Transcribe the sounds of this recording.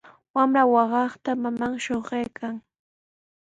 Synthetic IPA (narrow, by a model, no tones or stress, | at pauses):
wamɾawɑɢɑχt̪amamaŋʃoɢejkʰaŋ